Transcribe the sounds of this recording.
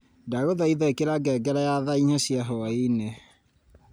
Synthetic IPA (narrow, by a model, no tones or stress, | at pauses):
daɣoðaiðaekeɾaɡɛɡɛɾajaðaiɲasiaɦɔine